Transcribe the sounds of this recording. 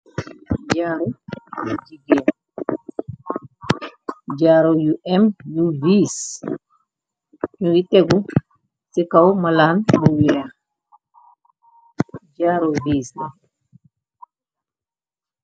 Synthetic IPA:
ɟaːɾo | d͡ʒiɡe | d͡ʒaːɾojuɛmjuvis | ɲuɡiteɡu | sikawmalaːnbuwɛa | ɟaɾovisa

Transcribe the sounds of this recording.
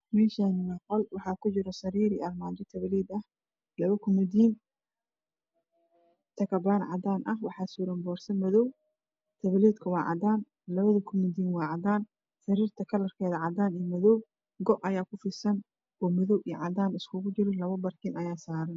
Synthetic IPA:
mɛːʃanɐqɔlwɑħɑːkʰʊt͡ʃɪɾɔsɐɾiːɾiɐrmaːd̪ɔt̪ʰɐβɐliːd̪ɐh | lɐβɐkʰʊmʊd̪iːn | t̪ʰɐkʰɐbaːnʕɑd̪aːnʔɐhwɑħɑːsuːɾɐmbɔːrsɐnmɐðɔw | t̪ʰɐβɐliːd̪kʰɐwɑːʕɑ̰d̪aːn | lɐβɐðɐkʰʊmʊd̪iːnwɑːʕɑd̪aːn | sɐɾiːrt̪ʰɐkʰɐlɐrkʰɛːðɐʕɑd̪aːnijmɐðɔw | ɡɔʔɐjaːkʰʊfɪsɐn | ɔːmɔðɔwʔij̰ʕɑd̪aːnɪskʰʊɣʊt͡ʃɪɾɪlɐβɐbɐrk̪ʰɪnʔɐjaːsaːɾɐn

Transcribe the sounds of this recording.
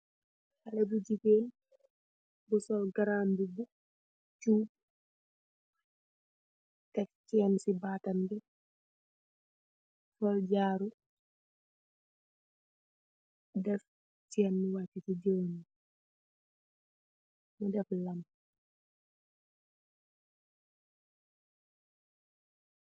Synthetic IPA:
hɐlɛbuɟikeːn | busɔlɡaɾaːmbibu | t͡ʃuː | tɛfcɛːnsibaːtɐnbi | fɔlɟaːɾu | dɛf | cɛːnːuwatitiɟoːni | mudɛflɐm

